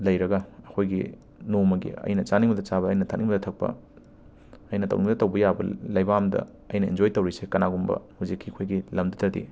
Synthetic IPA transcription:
lɐjɾɐɡɐɐkʰojɡi | nomɐɡḭɐ̰jnɐt͡ʃaniŋbɐdɐt͡ʃaβɐːjnɐtʰaniŋbɐdɐtʰɐk̚pɐ̰ | ɐjnɐtɐwniŋmɐdɐtɐwbɐjabɐ̰lɐjbaamdɐ̰ | ɐ̰jnɐḭnd͡ʒojtɐwɾisekɐnaɡumbɐ̰huzikʰːiɐkʰojɡilɐmdɐtʰɐdḭ

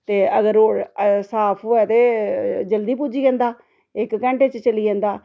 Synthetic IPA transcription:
t̪eːəɡəɾoːɽsaːpʰoːɛːt̪eːd͡ʒəld̪iːpuːd͡ʒiːɛ̃ːnd̪aː | ɪkkɛ̃ːɳʈeːt͡ʃt͡ʃəliːɛ̃ːnd̪aː

